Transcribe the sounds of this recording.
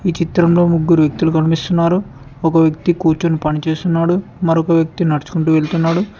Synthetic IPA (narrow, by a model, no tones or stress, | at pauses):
iːt͡ʃit̪ɾɐmlo̞ːmuɡːuɾuʋjɐk̚t̪ulukɐnipist̪unːaːɾu | ɔkɐʋjɐk̚t̪ikuːɾt͡ʃunːupɐnit͡ʃe̞ːst̪unːaːɽu | mɐɾɔkɐʋjɐk̚t̪inɐɾt͡ʃu̥kuɳʈuːʋe̞ɭt̪unːaːɽu